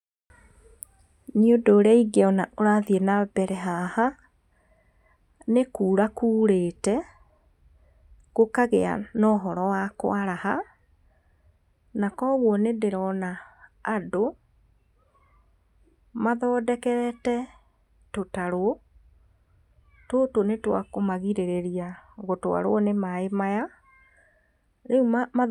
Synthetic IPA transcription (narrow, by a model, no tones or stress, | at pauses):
niodoːɾeaiɡeɔnaʔoɾaðiɛnabɛɾɛɦaha | nekuːɾakuːɾeːtɛ | ɣ̥okaɣea̰nɔːɦɔɾɔwakwaɾaha | nakɔɣwɔnedeɾɔnaː | do | maðɔdɛkɛɾɛtɛ | totaɾwo | totonetwa̰komaɣiɾeɾeɾiaɣotoa̰ɾwɔnemaemaja | ɾeumma